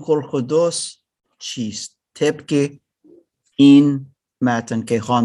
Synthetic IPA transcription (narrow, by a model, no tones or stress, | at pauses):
xolxod̪os | t͡ʃʰiːs | t̪ʰepke | in | mæt̪ənkexɑːn